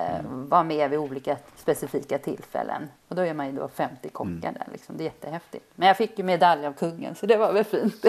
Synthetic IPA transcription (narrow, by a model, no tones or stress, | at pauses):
vamɛvɪuːliːkaspɛsɪfiːkat̪ʰɪlfɛ̰lːə̰nɔd̪ɔɛɾmanjɵd̪o̰ːfɛmt̪ɪkʰɔkːa̰ɖæ̰ɭʔɪ̰ksɔmd̪ɛːjɛt̪ːəɦɛft̪ɪt̪mɛnjɑːfɪkːjɵmɛd̪aljavkʰɵŋːə̰nsɔd̪ɛvaɾvɛlfiːnt̪